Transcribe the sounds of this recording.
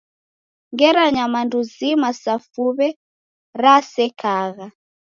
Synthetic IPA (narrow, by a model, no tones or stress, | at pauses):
ŋɡɛɾaɲamanduzimasafuβɛ | ɾasɛkʰaɣa